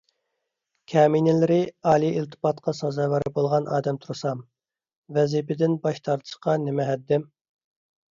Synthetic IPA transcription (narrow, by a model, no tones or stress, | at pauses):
kʲʰɛːmijnɪlɪɾɪɑːlˠiilt̪ʰɨ̥pɑt̪qʰɑsɑzɑwɑɾɪbolˠʁɑnɑːd̪ɛmt̪ʰuɾɨsɑm | vɛzipɪd̪ɪnbɑʃt̪ʰɑɾt̪ʰɨ̥ʃqɑnɪmɛɦɛd̪ːɪm